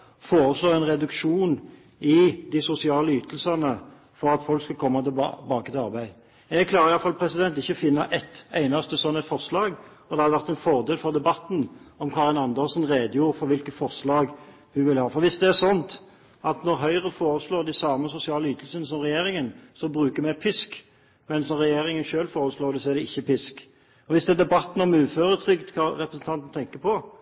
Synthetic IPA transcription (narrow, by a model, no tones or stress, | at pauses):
foːɾəsloːɛnʁɛd̪ʉkʃuːn | ɪd̪ɪsʊsɪɑːləyːt̪əlsɑnə | fɔɾɑt̪fɔlkskɑkʰɔmːɑt̪ɪl̰bɑːkət̪ʰɪlɑʁbæɪ | ɛɡkʰlɑːɾəɾɪjɑlfɑlpʰɾɛsɪd̪ɛnt̪ɪçːəɔfɪnːɑʔɛt̪æɪnɑst̪əsɔnːɛt̪fɔʁslɑːɡɔd̪ɛhɑd̪ɛʋæʁt̪ɛnfɔʁd̪eːlfɔʁd̪ɛbɑt̪n̩ɔmkʰɑʁɪnɑnd̪əlsnʁeːd̪əjuːɾfɔʁʋɪlkət̪fɔʁslɑːɡ | ʋɪʋɪlhɑːfɔɾʋɪsd̪ɛæʁsɔnt̪ | ɑt̪nɔʁɦœʏʁəfoːɾəsloːd̪æɪsɑːməsʊsɪɑːləyːt̪əlsənəsɔmʁɛjeːɾɪŋənsɔbɾʁʉːkəmæɪpʰʏsk | mɛnsnɔʁɛjeːʁɪŋənʃøːlfoːɾəsloːʁd̪ɪsɔæɾd̪ɛɪçːəpʰɪsk | ɔʋɪsd̪ɛːd̪ɛbɑt̪ːn̩ɔmʉːføːʁət̪ʰɾʏɡt̪kʰɑɾɛpɾəsn̩t̪ʰɑnt̪n̩t̪ʰɛŋkəpʰɔ